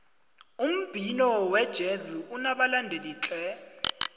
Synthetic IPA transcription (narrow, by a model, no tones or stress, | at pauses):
um̩b̥ʱinɔwɛd̥ʒ̥ʱezuunaɓalandʱeliːt͡ɬʼɛ